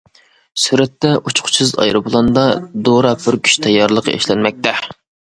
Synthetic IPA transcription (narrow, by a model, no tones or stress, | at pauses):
syɾɛt̪ːɛʔut͡ʃʰqʰʊ̥t͡ʃʰɨzɑ̰jɾɨbulˠɑnd̪ɑd̪oɾɑpʰyɾkʲʰy̥ʃt̪ʰɛjːɑɾlˠəqʰɑ̰ḛʃlɛnmɛk̚ʲt̪ɛ